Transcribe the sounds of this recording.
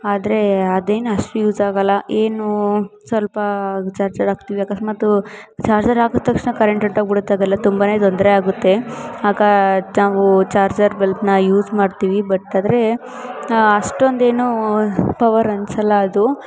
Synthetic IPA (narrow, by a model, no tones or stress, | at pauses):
aːd̪ɐɾe̞ɐd̪e̞ːnuɐʂʈujuːd͡ʒaːɡɐlːɐʔe̞ːnusʋɐlpɐt͡ʃaːɾd͡ʒɐɾaːɡ̚t̪iʋiaːkɐʂmɐt̪ːut͡ʃaːɾd͡ʒɐɾaːɡut̪ːɐkʂnɐkɐɾeɳʈɐɳʈoɡ̚biɽut̪ːaːɡɐlːɐt̪umbane̞ːt̪ond̪ɾeaːɡut̪ːe̞aːɡɐnaːʋut͡ʃaːɾd͡ʒɐɾbelpnɐjuːd͡ʒmaːɖt̪iʋibɐʈːaːd̪ɐɾe̞ | ɐʂʈond̪e̞ːnupɐʋɐɾɐnsɐlːɐːd̪u